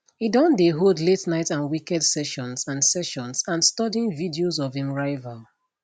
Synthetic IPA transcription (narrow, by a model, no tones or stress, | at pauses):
hidɔ̃ndeɦodletnaɪtãnwikɛdsɛʃɔ̃nsãnsɛʃɔ̃nsãnstɔdĩnvidiozɔvĩmɹaɪval